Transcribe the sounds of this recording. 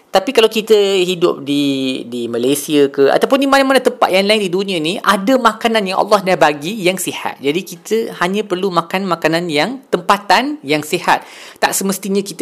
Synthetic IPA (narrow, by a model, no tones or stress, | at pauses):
t̪apikalawkit̪əɦidʊ̰p̚didimalajsiəkəʔa̰t̪awp̬ʊnːimanamanət̪əmpa̰t̪̚jaŋlaɪndidunĩãniadamãkanãnjaŋʔɑ̰lːɑhdahbaɡijaŋsiha̰t̪̚d͡ʒadikit̪əhaɲãpərlumãkanmãkanãnjaŋt̪əmpat̪anjaŋsihat̪̚ːaʔsəməst̪iɲãkit̪